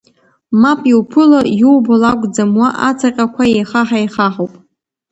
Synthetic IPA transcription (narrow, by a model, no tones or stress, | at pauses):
mapʼiwpʰɨlajuwbolakʷʼd͡zamwaʔat͡sʰaqʲʼakʷʰaejχaħajχaħowpʼ